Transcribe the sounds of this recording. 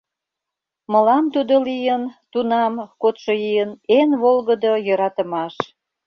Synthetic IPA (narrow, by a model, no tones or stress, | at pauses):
mə̆lɑmt̪ud̪olijənt̪unɑmkot̪ʃojijənenβolɣəd̪ojə̆ɾɑt̪ə̆mɑʃ